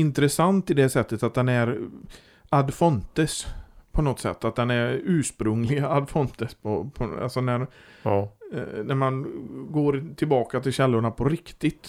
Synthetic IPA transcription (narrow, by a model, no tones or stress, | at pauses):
ɪnt̪ɾɛsant̪ɪd̪ɛsɛt̪ːət̪at̪̚d̪ɛnæɾ | ad̪fɔnt̪əspʰɔnɔt̪sɛ̰t̪ːat̪̚d̪ɛnæɾʉ̟ːʂpɾɵŋlɪɡaad̪fɔnt̪əspʰɔpʰɔa̰lsɔnæɾ | næɾmanɡoːɾt̪ʰɪlbɑːkat̪ʰɪlɕɛlːʊɳapʰɔɾɪkt̪ɪt̪